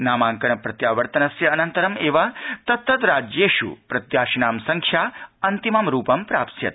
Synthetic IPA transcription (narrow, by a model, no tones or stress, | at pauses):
naːmaːŋkɐnɐpɾɐt̪jaːʋɐɾt̪ɐnɐsjɐːnɐnt̪ɐɾɐmeːʋat̪ɐt̪ːɐt̪ɾaːd͡ʒjeːʃṵpɾɐt̪jaːʃinaːmsɐŋkʃʰjaːɐnt̪imɐmɾuːpɐmpɾaːpsjɐ̰t̪